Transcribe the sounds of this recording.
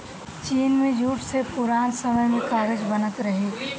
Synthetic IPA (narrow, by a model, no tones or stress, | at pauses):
t͡ʃiːnmẽd͡ʒʱuʈʰsepuɾaːnsəməjmẽkaɾed͡ʒbənət̪ɾəɦi